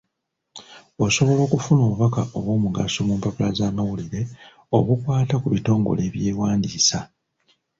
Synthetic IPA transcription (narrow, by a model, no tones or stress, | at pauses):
o̞so̞βo̞lo̞ːkufuno̞ːβuβakaʔo̞βwo̞ːmuɡaso̞muːmpapulazaːmawuliɾe̞ | o̞̰βukwaːtakuβito̞ːŋɡo̞̰le̞ːβje̞ːwaːndiːsa